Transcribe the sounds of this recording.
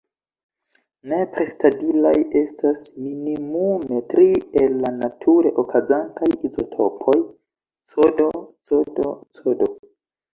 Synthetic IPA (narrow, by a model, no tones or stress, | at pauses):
ne̞pɾe̞stabilaje̞stasminimume̞tɾielːanatʰuɾe̞ʔokʰazantajizotʰo̰pʰo̞j | sodot͡sodo̰t͡sodo̞